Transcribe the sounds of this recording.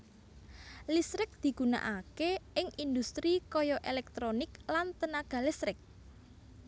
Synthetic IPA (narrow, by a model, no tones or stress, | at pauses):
lisɾɪk̚d̪̥i̤ɡ̥ṳna̰ʔakeɪŋind̪ust̪ɾikɔjɔʔelɛk̚t̪ɾonɪklant̪ənaɡ̥a̤lisɾɪk̚